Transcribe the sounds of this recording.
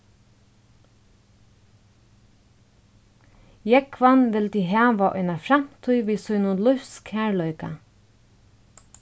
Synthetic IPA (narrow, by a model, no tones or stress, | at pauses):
jɛkʰʋɑnʋɪld̪iːhæːʋɑʔʏnəfɾɑmt̪ʰʉʏʋiːsœʏnʊlʊfskhæːɭœʏkɑ